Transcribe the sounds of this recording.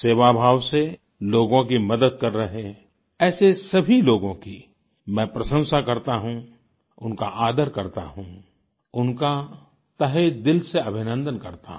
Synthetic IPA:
seːʋabʱaːʋse | loːɡõkimɐd̪əd̪̚kɐɾːɐɦe | ɛːsesɐbʱiloːɡõki | mɛ̃pɾɐʃə̃wsakɐɾt̪aɦũ | ʊnka̰ʔaːd̪əɾkɐɾt̪a̰ɦũ | ʊnka | t̪ɐɦed̪ɪlseɐbʱɪnə̃nd̪ənkɐɾt̪a̰

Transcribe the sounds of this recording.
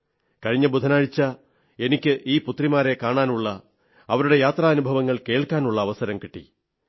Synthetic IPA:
kɐɻiɲːɐbud̪ʱɐnaːɻit͡ɕːɐ | e̞nikʲːɨʔiːput̪rimaːɾe̞kaːɳaːnuɭːɐ | ɐʋɐɾuɽe̞jaːt̪rɐɐnubʱɐʋɐŋːɐɭke̞ːɭkːaːnuɭːɐːʋɐsɐɾɐmkiʈːḭ

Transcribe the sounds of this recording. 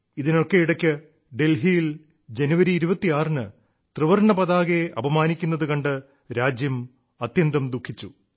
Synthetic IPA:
iðino̞kːe̞iɽɐkʲːɨ | ɖe̞lɦijil | d͡ʑenuʋɐɾiːɾubɐt̪ːiaːrnɨ | t̪rɨʋɐrɳɐpɐðaːɣeʔɐbɐmaːnikʲːunːɐðɨkɐɳɖɨ | ɾaːd͡ʑjɐm | ɐt̪jɐnd̪ɐmd̪ukʰːit͡ɕːu

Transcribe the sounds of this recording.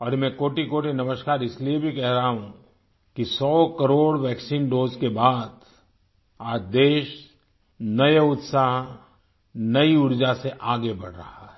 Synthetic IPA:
ɔːɾmɛ̃koːʈikoːʈinɐməʃkaːɾɪsliiebʱikɛɦɾɐɦaɦũ | kisɔːkɐɾoːɽʋɛːksiːnɖoːzkebaːd̪ | aːt͡ʃd̪eːʃ | nɐjaʊt̪saɦ | nɐiʊɾd͡ʒaseʔaːɡebɐɽ̤ɾɐhaɦɛː

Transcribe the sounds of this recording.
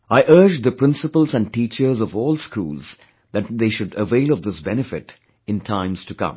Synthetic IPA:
aɪʔɜ˞d͡ʒd̪əpʰɾɪ̃nsəpəl̩ˠzæ̃n̚ʈiːt͡ʃə˞zɔvɔːlˠskṵːlz̥ | ðæt̪̚ðeːʃʊɖəveɪlˠɔvd̪ɪsbɛnɨfɪʈ | ɨ̃ntʰãɪ̃mz̥tukʌ̰̃m

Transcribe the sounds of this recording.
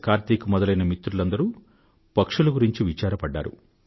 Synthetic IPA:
kaːɾt̪iːkumɔd̪ɐlɐjnɐmit̪ɾulɐnd̪ɐɾuː | pɐkʂɐlɐɡuɾiɲt͡ʃiʋit͡ʃaːɾɐpɐɖːa̰ːɾṵ

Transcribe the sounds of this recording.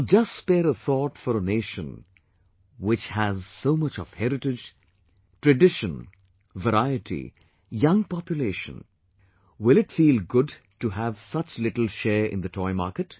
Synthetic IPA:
d͡ʒʌsspɛːɾəθɔʈfɔɾəneːʃə̃n | wɪt͡ʃhæzsoːmʌt͡ʃɔv̥hɛɾɨʈɪd͡ʒ | tɹɨɖɪʃə̃n | vəɾaɪɨʈʰḭ | jʌ̃ŋpɑpjuleʃə̰̃n | wɪlɪtfiːlˠɡʊd | tuɦævsʌt͡ʃlɪʈl̩ˠʃɛːɹʔɪ̰̃nd̪ɨtʰɔɪma̰ːɾkɨt

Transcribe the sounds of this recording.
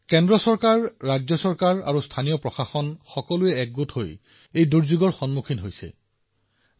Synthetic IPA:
kɛndɹɔsɔɹkaɹːad͡ʒzɔsɔɹkaɹa̰ɹustʰanijɔpɹɔxaxɔnxɔkɔlʊɛɛk̚ɡutho̰j | ejduɹzuɡɔɹxɔnmukʰinɦojsɛ̰

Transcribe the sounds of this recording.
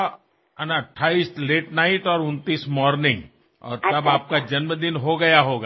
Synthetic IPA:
ɐnɐʈʰːaːist̪leːʈnaːɪʈɔːɾʊ̃nt̪iːsmɔːɾnɪ̃ŋɡ | ɔ̰ːɾt̪ɐbaːp̚kad͡ʒɐnməd̪ɪnɦoɡɐjaɦoːɡaː

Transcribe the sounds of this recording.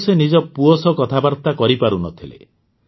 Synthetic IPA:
senid͡ʒɔpuosɔkɔt̪ʰabaɾt̪akɔɾipaɾunɔt̪ʰilḛ

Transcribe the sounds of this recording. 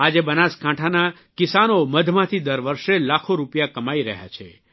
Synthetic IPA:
ad͡ʒebənaskãʈʰana | kɪsanoməd̪ʱmãt̪ʰid̪əɾʋəɾʃelakʰoɾupjakəmaiɾəɦja̰t͡ʃʰḛ

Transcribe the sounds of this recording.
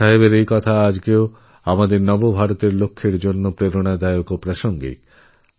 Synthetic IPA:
aɦeβeɾejkɔt̪ʰaad͡ʑɡeo | amad̪eɾnɔbobʱaɾot̪eɾlokʰːeɾd͡ʑonːopɾeɾoɽ̃ad̪aeokopɾaʃoŋɡḭk

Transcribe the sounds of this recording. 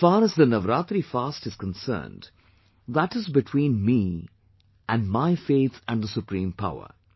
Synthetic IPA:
faːɾəzd̪ənʌʋɾaːt̪ɾifaːsʈɨz̥kə̃nsə̰ːnɖ | d̪əʈɪzbɪʈʰwĩːnmiː | ʔæ̃nɖmaɪfeːt̪ʰæ̃ɳɖd̪əsʊpɾĩːmpʰa̰ʊə̰ɾ

